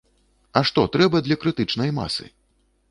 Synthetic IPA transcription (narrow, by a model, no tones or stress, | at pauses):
ɐʂt̪ɔt̪ɾɛbɐd̪lʲɐkɾɨt̪ɨt͡ʂnɐjma̰sɨ̰